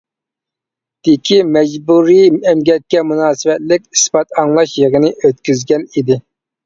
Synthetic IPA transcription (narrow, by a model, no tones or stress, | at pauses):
d̪̥ɪkʲʰimɛd͡ʒbuɾiɛmɡʲɛt̪̚kʲɛmunɑːsɨvɛt̪lɪkʲispɑt̪ɑŋlˠɑʃjeʁənɪʔøt̪kʲyzɡʲɛnid̪ɪ